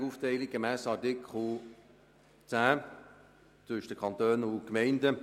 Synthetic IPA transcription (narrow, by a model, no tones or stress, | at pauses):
uːftɛɪlik̚ɡ̥emæːsɑtɪkʰχl̩ˠ | t͡sæː | t͡sʏʃd̥əkʰɑnt̪øːnʊkmɛɪndə